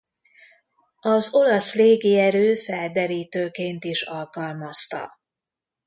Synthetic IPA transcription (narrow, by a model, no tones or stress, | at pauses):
ɒzo̞lɒsleːɡiɛɾøːfɛld̪ɛɾiːt̪øːkeːnt̪iʃɒlkɒlmɒst̪ɒ̰